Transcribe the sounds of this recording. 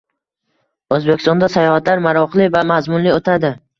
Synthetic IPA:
ɵzbekʲɪ̥st̪ɒnd̪asajɒhat̪laɾmaɾɒqlɪvamazmʊnliot̪ʰad̪ɪ

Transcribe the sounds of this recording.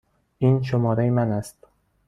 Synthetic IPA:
ʔiːnʃomɒːɾejemænæst̪

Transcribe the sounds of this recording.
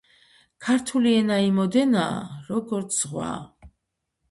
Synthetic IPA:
kʰaɾt̪ʰuliɛnaimɔd̪ɛnaːɾɔɡɔɾt̪sʰz̥ʁwa̰

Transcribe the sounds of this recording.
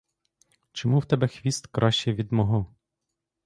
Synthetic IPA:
t͡ʃɔmuwt̪ɛbɛxʋʲist̪kɾʔɑʃt͡ʃɛʋʲid̪mɔɦɔ

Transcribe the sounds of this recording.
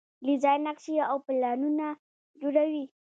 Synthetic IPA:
lizɑjnakʃiawpɪlɑnuna | d͡ʒoɽawi

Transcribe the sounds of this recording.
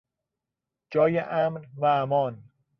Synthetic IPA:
d͡ʒɒːjeʔæmɾvæmɒːn

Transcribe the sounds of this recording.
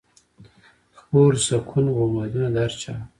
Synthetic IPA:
xpoːɾsakʰunɣomad̪unad̪aɾt͡ʃa

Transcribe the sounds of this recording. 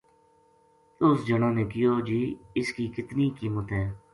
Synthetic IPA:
t̪ʊsd͡ʒənãːnẽːkɪjoːd͡ʒiːɪskiːkɪt̪niːkiːmət̪ɦɛː

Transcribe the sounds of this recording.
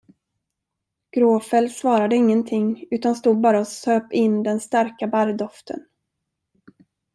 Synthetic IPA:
ɡ̥ɾoːfɛlsvɑːɾad̪əɪŋːənt̪ʰɪŋːʉ̟ːt̪anst̪uːd̪̚bɑːɾaɔsøːpɪnːd̪ɛnst̪aɾkabaɾd̪ɔft̪ʰə̰n

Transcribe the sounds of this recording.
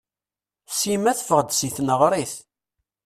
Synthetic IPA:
simæθfəʁd̪siθnəʁɾˤiθ

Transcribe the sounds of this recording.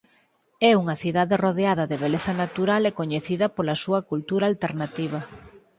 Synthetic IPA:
ɛuŋɐθiðaðeroðeaðɐðeβ̞eleθɐnat̪uɾalɛkoɲeθiðɐpolɐsuɐkult̪uɾalt̪eɾnat̪iβ̞ɐ

